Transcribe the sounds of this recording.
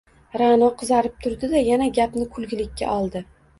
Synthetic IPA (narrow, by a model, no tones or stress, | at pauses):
ɾanɒqʰɨzaɾɪp̚t̪ʰʊɾd̪ɪd̪ajanaɡʲapnɪkʰʊlˠɡʲɪlɪkʲʰːa̰ʔɒlˠd̪ɪ